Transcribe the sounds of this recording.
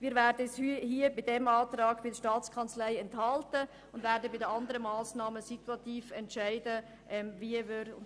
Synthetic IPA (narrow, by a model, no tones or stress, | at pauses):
ʋiːɾvɛːɾdəɛshyhiːəbɪdɛmɑːtɾɑːɡ̥b̥ɪdəʃtɑːt͡skʰɑnt͡slæɪɛnthɑltə | ʊndvɛːɾdəbɪdəɑndəɾəmɑːsnɑːməsituɑtiːfɛntʃæɪdə | ʔɛmviːəvøɾ